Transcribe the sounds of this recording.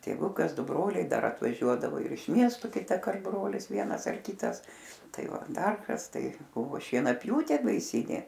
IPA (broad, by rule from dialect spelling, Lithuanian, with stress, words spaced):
tʲeːˈʋʊkɐs ˈdʊ ˈbroːlʲɛɪ ˈdɐr ɐtʋɐˈʒʲuɔdɐʋoː ɪr ɪʃ ˈmʲiɛstʊ kʲɪtɐˈkɐrt ˈbroːlʲɪs ˈʋʲiɛnɐs ɐr ˈkʲɪtɐs ˈtɐɪ ˈʋɐ ˈdɐr ˈkɐs tɐɪ ˈbʊʋoː ʃʲiɛnɐˈpʲjuːtʲeː bɐɪˈsʲiːnʲeː